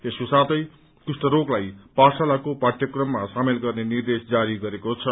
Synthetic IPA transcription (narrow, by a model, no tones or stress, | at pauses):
eskosat̪ʌj | kusʈʌɾoklajparsalakopaʈʰjʌkrʌmːasamelɡʌrnenird̪esd͡zaɾiɡʌɾekot͡sʰʌ